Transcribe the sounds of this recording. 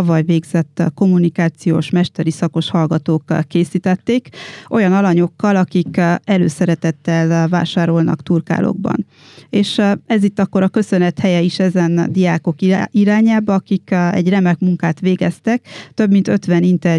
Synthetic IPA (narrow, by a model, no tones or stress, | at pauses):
ɒvɒjveːɡz̥ɛt̪ːko̞mːunikaːt̪sijo̰ːʃmɛʃt̪ɛɾisɒko̞ʃhɒlɡɒt̪oːkkːeːsiːt̪ɛt̪ːeːkʔo̞jɒnɒlɒɲo̞kːɒlɒkikɛlø̰ːsɛɾɛt̪ɛt̪ːɛlva̰ːʃaːɾo̞lnɒ̰kt̪urka̰ːlʔo̰ɡ̚bɒ̰n | eːʃɛzit̪ːɒkːo̞ɾɒkø̞sø̞nɛt̪hɛjɛiʃɛzɛnd̪ijaːko̞kiiɾaːɲaːbɒɒkikɛ̰ɟrɛmɛkmuŋkaːt̪ʋeːɡɛst̪ɛk̚t̪ø̞bmint̪ø̞t̪ʋɛnint̪ɛr